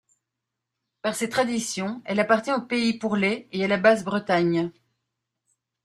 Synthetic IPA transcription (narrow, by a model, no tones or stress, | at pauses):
paʁset̪χad̪isjɔ̃ɛlapaʁt̪ʲjɛ̃opeipuʁleealabazbʁət̪aɲ